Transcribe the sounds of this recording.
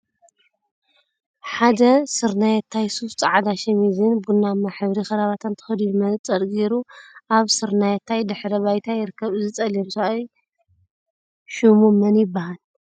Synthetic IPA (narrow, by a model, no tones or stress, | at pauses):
ħad̪ɐsɨɾnajɛt̪ʰːajsuft͡sʼaʕad̪aʃɐmizɨnbunːamːaħɨβɾixɐɾaβat̪ʰant̪ʰɐ̥xɐd̪ujmɐnt͡sʼɐd̪ɡeɾuʔaβsɨɾnajɛt̪ʰːajd̪ɨħɾɐβajt̪ʰajɪɾɨkʰːɐβɨzɨt͡sʼɐlemsaʔaj | ʃumumɐnjɪbːahal